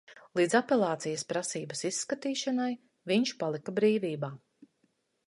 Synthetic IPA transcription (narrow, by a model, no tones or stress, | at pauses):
lˠiːd̪zapʲelˠaːt̪sijəspɾasiːbɐsisːkat̪iːʃanaj | viɲʃpalˠikabɾiːviːbaː